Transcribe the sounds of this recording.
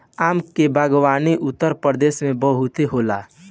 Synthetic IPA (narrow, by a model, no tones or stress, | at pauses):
aːmkebʱaɡwaːniʔʊt̪ːəɾpəɾəd̪eːsmẽbəɦʊt̪eɦoːla̰ː